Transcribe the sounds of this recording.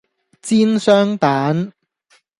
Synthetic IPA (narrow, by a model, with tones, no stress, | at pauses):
t͡siː˥nsœː˥ŋt̪aː˨˥n